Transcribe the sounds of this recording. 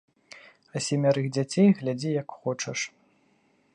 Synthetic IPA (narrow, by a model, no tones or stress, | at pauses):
ɐsʲɛmʲaɾɨɣd͡zʲat͡sʲejɣlʲad͡zʲijɐkxɔt͡ʂɐʂ